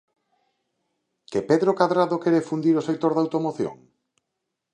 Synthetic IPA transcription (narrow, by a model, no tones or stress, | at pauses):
kepeðɾokaðɾaðokeɾefund̪iɾosek̚t̪oɾðawt̪omoθjo̰ŋ